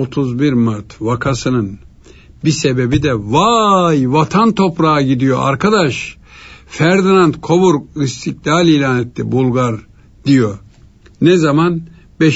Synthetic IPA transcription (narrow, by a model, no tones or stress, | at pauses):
ot̪ʰuzbiɾmaɾt̪ʰvakʰasɯnɯn | bisebe̞bid̪ɛvajvat̪ʰant̪ʰo̞pɾaɟid̪ijo̞ʔa̰ɾkʰad̪aʃ | fæɾd̪inant̪kʰo̞buɾist̪ʰiklʲaːlʲiːlʲaːnɛt̪ʰːḭbulˠɡaɾ | d̪ijo | nɛzaman | bɛ